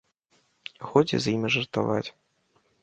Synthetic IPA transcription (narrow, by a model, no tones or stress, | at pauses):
xɔd͡zʲḭzjimʲiʐɐrt̪a̰va̰t͡sʲ